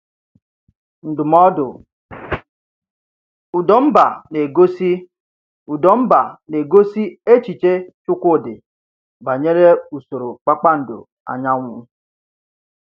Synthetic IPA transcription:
n̩˨dʊ˨mɔ˦dʊ˨ | u˨dɔ˨m̩˦ba˨ne˨ɡo˦si˦ | u˨dɔ˨m̩˦ba˨ne˨ɡo˦si˦e˦t͡ʃi˨t͡ʃe˦t͡ʃʊ˦kʷdɪ˨ | ba˨ɲe˦ɾe˦u˨so˨ɾo˨k͡pa˦k͡pa˦n̩˨dʊ̰˨ | a̰˨ɲa˦ŋʷʊ˦

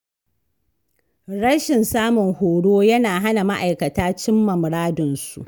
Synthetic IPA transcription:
ɽɐ˦ʃɪ˨nsaː˦mʊ˨ŋhoː˨ɽoː˦jɐ˦naː˨ɦa˦na˨ma˦ʔa˨jkɐ˨taː˦t͡ʃɪ˦mːɐ˨mɽaː˦dʊ˨nsṵ˨ʔ

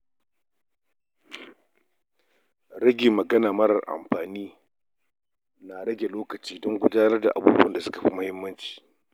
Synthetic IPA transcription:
ɽɐ˦ɡʲɪ˨mːɐ˨ɡɐ˦naː˨mɐ˦ɾɐ˨rʔa̰˨mɸaː˨niː˦ | na˨ɽɐ˦ɡʲe˨loː˦kɐ˨t͡ʃiː˦dɔ˦ŋɡʷʊ˦daː˦nɐ˦rda̰˨ʔa˨buː˦bṵ˦ɐ˨nda˨sʊ˦ka˨ɸi˦mʊ˦hɪ˦mːɐ˦nt͡ʃi̥ː˨

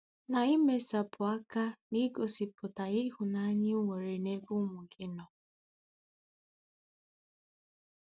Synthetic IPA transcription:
na˨i˦me˨sa˨pʰʊ˨a˦ka˦ni˦ɡo˨si˨pʊ˨ta˨ɪ˦hu˨na˦a˦ɲɪ˦ʊ˦ŋe˨ɾe˨ne˦bu˦mʊ˨ɡɪ˦nɔ˨

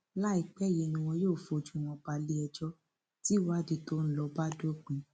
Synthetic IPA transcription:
la˦i˨k͡pɛ˦˨ji˨˧nĩ˧w̃ɔ̃˧joː˦˨fo˨˧˨d͡ʒũ˦˨w̃ɔ̃˧k͡pa˧li˦ɛ˧d͡ʒɔ˦ | ti˦wa˦˨di˨˧to˦ñ̩˦lɔ˧ba˦do˦k͡pĩ˨˧

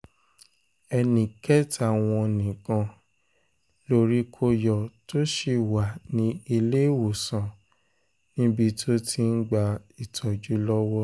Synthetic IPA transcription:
ɛ˧nĩ˨kɛ˦ta˨w̃ɔ̃˧nĩ˨kã˧ | lo˧ɾi˦kʰo˧jɔ˨to˦ʃe˧˨wa˨nĩ˧˦i˧le˦wo˨sã˨ | nĩ˦bi˧tʰo˦tʰi˧n̩˦ɡ͡ba˧i˨tʰɔ˨d͡ʒu˨˦lɔ˦wɔ˦

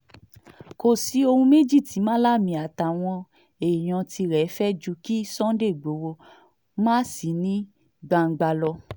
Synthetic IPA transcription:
ko˨si˨˦o˧hũ˧me˦d͡ʒi˦˨ti˨˦mãː˦la˦mĩ˨a˨ta˨w̃ɔ̃˧ | e˨j̃ã˧ti˧ɾɛ˨˦fɛ˦d͡ʒu˧˦ki˦sɔ̃˦de˦˨ɡ͡bo˨˦wo˧ | mãː˦si˨nĩ˦ | ɡ͡bã˧ŋ̩˧ɡ͡ba˧lɔ˧

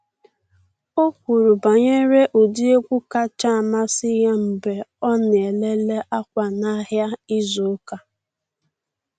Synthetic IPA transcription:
o˦kʷu˨ɾu˨ba˨ɲe˦ɾe˦ʔo˨di˦e˦kʷu˦ka˦t͡ʃa˦a˨ma˦sɪ˦ja˦m̩˨be˨ɔ˦nɪ˨e˨le˦le˦ʔa˦kʷa˨na˦ɦja˦i˦zo˨˦ka˦

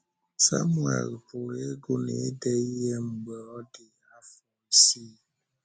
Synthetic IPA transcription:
sa̰˦mwa̰˨ɣə˨pu˨ɾe˦ɡo˦nḛ˨˦dɛ˦jɛ˦m̩˨ɡ͡bə˨ɔ˦de˨ | a˦fɔ˦si˦

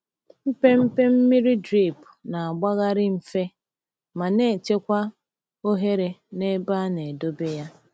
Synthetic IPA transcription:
m̩˦pe˦m̩˦pe˦m̩˦mi˦ɾi˦dɾi˦˨pʊ˨na˨a˨ɡ͡ba˦ɣa˦ɾɪ˦m̩˨fe˦ | ma˨ne˦˨t͡ʃe˦kʷa˦ | o˦ɦe˦ɾe˨ne˦ba˦ne˨do˦be˦ja˦

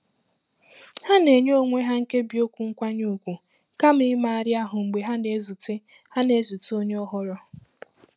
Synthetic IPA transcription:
ha˦ne˨ɲ˦o˦ŋʷe˦ɦa˦ŋ̩˦ke˦bi˨o˦kʷu˨ŋ̩˦kʷa˦ɲu˦u˨kʷu˨ | ka˦m̩˦ɪ˦ma˦a˨ɾja˦ɦʊ˨ŋ͡m̩˨ɡ͡be˨ɦa˦ne˨˦zu˨ti˦ | ha˦ne˨˦zu˨to˦ɲe˦ɔ˦ɦɔ˦ɾɔ˦

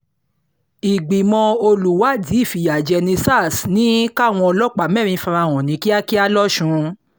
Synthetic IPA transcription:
i˨ɡ͡bi˨mɔ̃˧o˧lu˨wa˨˦di˨˦i˦˨fi˨ja˨d͡ʒɛ˧nĩ˧sa˦˨snĩ˨˦ka˦˨w̃ɔ̃˧ɔ˧lɔ˦˨k͡pa˨mɛ̃˦˨ɾĩ˧fã˧ɾa˧˨w̃ɔ̃˨nĩ˨˦ki˦a˦ki˦a˦lɔ˦ʃũ˧

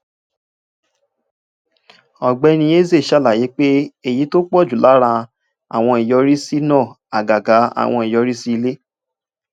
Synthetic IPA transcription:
ɔ˨ɡ͡bɛ˧˦nĩ˧je˦˨ze˦˨ʃa˦˨la˨ji˨˦k͡pe˦e˦˨ji˨˦to˦k͡pɔ˦˨d͡ʒu˨la˨˦ɾã˧ | a̰˨w̃ɔ̃˧i˨jɔ˧ɾi˦si˦nɔ̃ː˦˨ | a̰˨ɡa˨ɡa˨˦a̰˨w̃ɔ̃˧i˨jɔ˧˦ɾi˦si˦i˧le˦

